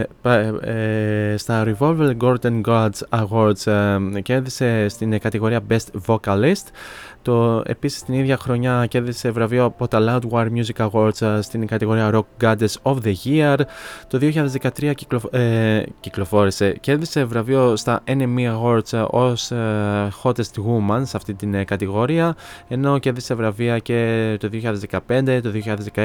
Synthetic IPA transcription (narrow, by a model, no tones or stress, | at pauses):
p | st̪ɐɾivo̞lvelɡo̞ɾd̪enɡɐd̪zɐɣoɾd̪sceɾðise̞st̪inkɐt̪iɣo̞ɾiɐbe̞st̪vo̞kɐlist̪t̪oe̞̰pisi̥st̪iniðʝɐxɾo̞ɲɐce̞ɾðise̞vɾɐvioɐpo̞t̪ɐlɐud̪wɐɾmjuzikɐɣo̞ɾd̪zst̪inkɐt̪iɣo̞ɾiɐɾok̚ɡɐd̪eso̞fðeʝiɐɾt̪o̞ðio̞çiʎɐðezðekɐt̪ɾiɐ | ciklo̞fo̞ɾise̞ce̞ɾðise̞vɾɐvio̞st̪ɐʔenemiɐɣo̞ɾd̪so̞s | xo̞t̪est̪ɣumɐnsɐft̪it̪inkɐt̪iɣo̞ɾiɐe̞no̞ce̞ɾðise̞vɾɐviɐce̞t̪o̞ðioçiɐðezðekɐpe̞nd̪e̞t̪o̞ðioçiʎɐðezðekɐ